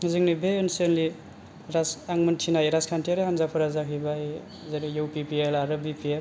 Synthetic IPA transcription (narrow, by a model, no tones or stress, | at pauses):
hɯzɯŋnibeinsenli | ɾasaŋmɯntʰinajɾaskʰantʰiaɾɯhanzapʰɯɾazakʰibaj | zaɾijuwpipielaɾɯbipiel